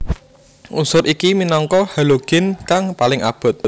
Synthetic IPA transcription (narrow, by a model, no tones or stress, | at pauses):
ʔusʊɾʔikiminɔŋkɔhaloɡ̥ɪ̤nkaŋpalɪŋʔa̰b̥ɔ̤t̪̚